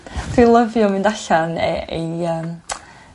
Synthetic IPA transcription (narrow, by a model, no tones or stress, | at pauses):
θwilˠəvjɔmɪ̃ndaɬan̰ḛjəːm